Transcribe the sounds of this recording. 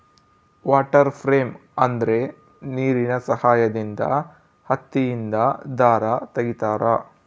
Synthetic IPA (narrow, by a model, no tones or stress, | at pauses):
ʋaːʈɐɾpʰɾeːmɐnd̪ɐɾe̞ | niːɾinɐsɐhaːjɐd̪ind̪ɐ̰ | hɐt̪ːijind̪ɐd̪aːɾat̪ɐɡit̪aːɾɐ